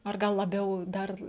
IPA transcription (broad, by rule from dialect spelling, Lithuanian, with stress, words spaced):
ɐr ˈɡɐlˠ lˠɐˈbʲɛʊ ˈdɐr